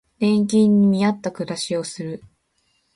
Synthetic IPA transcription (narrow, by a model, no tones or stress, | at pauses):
ẽ̞ŋkʲĩɲ̟ːimʲiat̪ːakɯ̟ɾaɕio̞sɨɾɯ̟